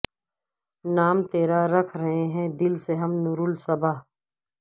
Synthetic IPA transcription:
naːmt̪eːɾaɾɐkʰɾɐɦeɦɛ̃d̪ɪlseɦɐmnuɾʊlsɐbaː

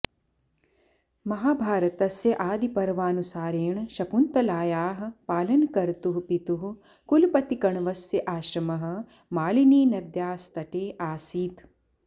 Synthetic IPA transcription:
mɐɦaːbʱaːɾɐt̪ɐsjɐʔaːd̪ipɐɾʋaːnusaːɾeːɳʃɐpunt̪ɐlaːjaːɦɐ̆paːlɐnkɐɾt̪uɦupit̪uɦu | kulpɐt̪ikɐɳʋɐsjɐʔaːʃɾɐmɐɦɐ̆ | maːliniːnɐd̪jaːst̪ɐʈeːʔaːsiːt̪

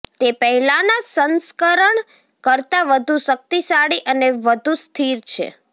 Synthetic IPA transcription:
t̪epəɦɛlanasənskəɾəɳ | kəɾt̪aʋəd̪ʱũʃək̚t̪isaɽiʔəneʋəd̪ʱũst̪ʰiɾt͡ʃʰḛ

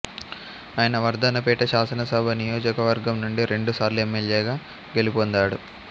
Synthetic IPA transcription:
aːjɐnɐʋɐɾd̪ʱɐnɐpɛːʈɐʃaːsɐnɐsɐbʱɐnijoːd͡ʒɐkɐʋɐɾɡɐmnuɳɖiɾe̞ɳɖusaːɾluemːeljeːɡaː | ɡe̞lipond̪aːɽu

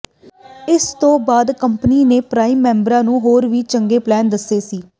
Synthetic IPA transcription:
ɪst̪õːbaːd̪kəmpniːneːpɾaːiːmːɛ̃ːmbəɾãːnũːɦoːɾʋiːt͡ʃəŋɡeːplɛːnd̪əsːeːsiː

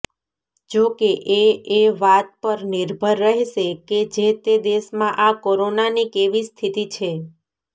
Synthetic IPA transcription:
d͡ʒokeʔeeʋat̪̚pəɾnɪɾbʱəɾːəɦeʃeked͡ʒet̪ed̪eʃmãʔakoɾonanikeʋist̪ʰit̪it͡ʃʰe

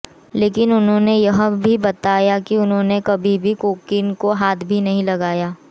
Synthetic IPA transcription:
leːkɪnʊnɦõːnejɐɦbʱibɐt̪aːjakiʊnɦõːnekɐbʱibʱikoːkɪnkoɦaːt̪ʰbʱinɐɦĩlɐɡaːjaː

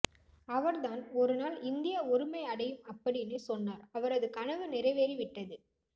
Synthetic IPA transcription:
ɐʋɐɾðaːnɔɾɯnaːlɪnd̪ɪjɐʊɾɯmɐɪɐɽɐjɯmɐpːɐɽinisɔnːaːɾɐʋɐɾɐðɯkɐɳɐʋɯnɪɾɐɪʋeːɾiʋɪʈːɐðɯ

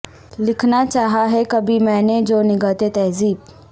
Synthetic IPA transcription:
lɪkʰnat͡ʃaːɦaɦɛkɐbimɛ̃ːned͡ʒoːnɪɡət̪et̪ɛːziːb

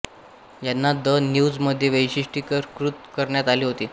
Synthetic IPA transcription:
janːad̪ənjuːd͡zməd̪ʱːjeʋəjɕiʂʈiːkəɾkɾut̪kəɾɳjat̪aliːɦot̪iː

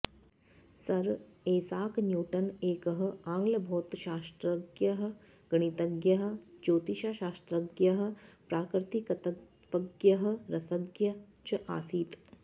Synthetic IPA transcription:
sɐɾeːsaːknjuːʈɐneːkɐɦɐ̆ãːŋɡlɐbʱoːt̪ʃaːst̪ɾɐɡjɐɦ̆ | ɡ̥ɐɳ̃it̪ɐɡjɐɦə̆d͡ʒoːt̪iʃaːʃaːst̪ɾɐɡjɐɦə̆pɾaːkɾɪt̪ikɐt̪ɐ | pɐɡjɐɦə̆ɾɐsɐɡjɐ | t͡ʃɐʔaːsiːt̪

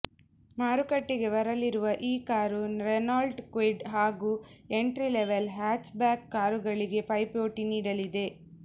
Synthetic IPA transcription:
maːɾukɐʈːiɡe̞ʋɐɾɐliɾuʋɐʔiːkaːɾunɾenaːlɖkʋiɖɦaːɡuːe̞ɳʈɾileʋelɦaːt͡ʃbaːkːaːɾuɡɐɭiɡe̞pɐjpoːʈiniːɽɐlid̪e̞

